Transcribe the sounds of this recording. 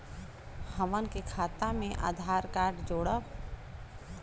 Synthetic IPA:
həʋənkekʰaːt̪amẽʔa̰ːd̪ʱaːɾkaːɾɖd͡ʒoːɽə

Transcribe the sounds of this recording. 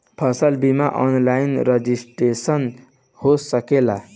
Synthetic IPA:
pʰʌsʌlbimaʔɔ̰nlainɾʌd͡zisʈesʌn | hosʌkela

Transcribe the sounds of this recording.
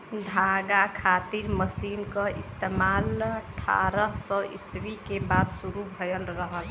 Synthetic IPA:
d̪ʱaɡakʰat̪iɾməsinkəist̪emalʈʰa̰ɾəsəʔḭswikebad̪suɾubʱəjəlɾəɦəl

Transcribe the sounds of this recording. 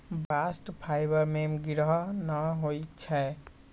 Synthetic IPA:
basʈpʰajbəɾmemɡiɾɦnəɦojt͡ʃʰɛ

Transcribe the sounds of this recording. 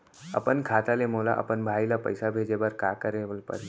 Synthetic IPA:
ə̰pənkʰaːt̪alemoːla̰ʔɐ̰pənbʱaːilapə̰jsabʱeːd͡ʒebəɾkaːkəɾeʋlpə̰ɾ

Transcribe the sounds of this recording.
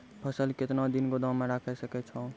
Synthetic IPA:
pʰəsəlket̪nad̪inɡod̪ãmeɾakʰəsəkɛt͡ʃʰə̃

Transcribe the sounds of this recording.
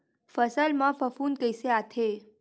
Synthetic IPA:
fəsəlmãfəfuːnkəjseat̪ʰe

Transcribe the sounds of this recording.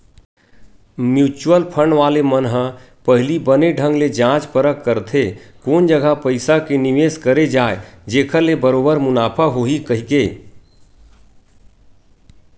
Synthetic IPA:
mjut͡ʃuəlpʰəɳɖʋalemənɦə̃ | pəɦlibəneɖʱə̃ŋɡled͡ʒãt͡ʃpəɾəkːəɾt̪ʰekoːnd͡ʒəɡapəɪsakeniʋeskəɾed͡ʒaːed͡ʒeːkʰəɾlebəɾoːbəɾmʊnaːpʰaɦoɦikəɦike

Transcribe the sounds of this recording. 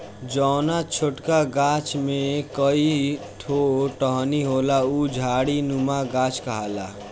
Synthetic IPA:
d͡ʒɔːnat͡ʃʰoʈkaɡaːt͡ʃmẽkəi | ʈʰoʈəɦniɦoːlaud͡ʒʱaːɽinumaɡaːt͡ʃkəɦaːla̰

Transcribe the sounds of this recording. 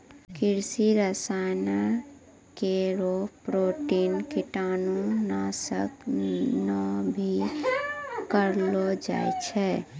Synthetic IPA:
kiɾsiɾəsana | keɾopɾoʈinkiʈanunasə̰knəbʱi | kəɾlod͡ʒa̰jt͡ʃʰɛ

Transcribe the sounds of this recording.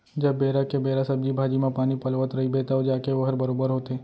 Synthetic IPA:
d͡ʒɐːeːɾakebeːɾasəb̚d͡ʒibʱaːd͡ʒimẽpaːnipəlʋət̪ɾɐɦibeːt̪aod͡ʒaːkeʋɦəɾbəɾoːbəɾɦoːt̪eː

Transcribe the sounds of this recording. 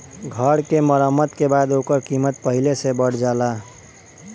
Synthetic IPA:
ɡʱəɾkeməɾəmːət̪kebad̪okəɾkimət̪̚pəɦilesebəɽ̤d͡ʒala

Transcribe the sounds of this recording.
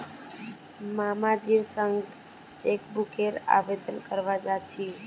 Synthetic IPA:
mamad͡ʒiɾsəŋɡ | t͡ʃekbukeɾa̰ʋed̪ənkəɾʋad͡ʒat͡ʃʰi

